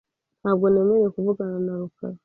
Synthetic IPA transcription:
nabɡoneːmeɾekuvuɡananaɾuka̰ɾa

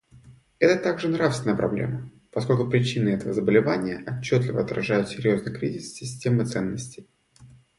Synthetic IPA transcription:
ɛt̪ət̪aɡʐɨnɾafsvʲɪnəjəpɾɐblʲḛmə | pɐsko̞lʲkʊpɾʲɪt͡ɕinɨɛt̪əvəzəbəlʲɪvanʲɪjəʔɐt͡ɕːot̪lʲɪvə̰ɐt̪ɾɐʐajʊt̪sʲɪɾʲjo̞znəjkɾʲizʲɪssʲɪsʲtʲemɨt̪sɛnːəsʲtʲɪj

